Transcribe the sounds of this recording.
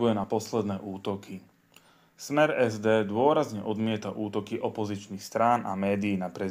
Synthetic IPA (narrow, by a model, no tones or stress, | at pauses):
ujɛnapɔslɛd̪nɛːʔuːt̪ɔki | smɛɾɛzd̪ɛːd̪ʊɔɾazɲɛʔɔd̪mɪɛt̪aʔuːt̪ɔkiʔɔpɔzit͡ʃnixst̪ɾaːna̰mɛːd̪iːnapɾɛ